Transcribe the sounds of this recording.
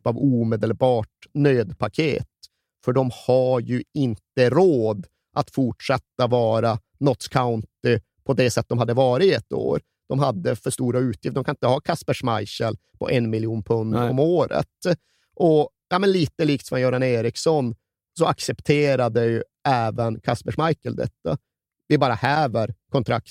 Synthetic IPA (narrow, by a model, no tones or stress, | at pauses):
pavuːmeːd̪əlbɑːʈnøːd̪pʰakʰḛːt̪ | fœɖɔmhajɵɪnt̪əɾoːd̪ | ʔat̪fʊʈʂɛt̪ːavɑːɾa | nɔt̪skʰaʊnt̪ɪ | pʰɔd̪ɛsɛt̪ːd̪ɔmɦad̪ːəvɑːɾɪɛt̪ːo̰ːɾ | d̪̥ɔmɦad̪ːəfœʂt̪uːɾaʉ̟ːt̪ʰjɪft̪ɔmkʰanɪnt̪əhɑːkʰaspəʂmajɕəɛl | pʰɔ̰ʔɛnmɪljuːnpʰɵnːɔ̰moːɾə̰t̪ | ʔɔjaːmɛnliːt̪əliːkt̪sɔmɛnjʊɾaneːɾɪksɔn | sɔaksɛpt̪ʰeːɾad̪əjɵ | æːvənkʰaspəʂmajkəld̪ɛ̰t̪ːa̰ | vɪbɑːɾahæːvəɾkʰɔnt̪ʰɾa̰k̚t̪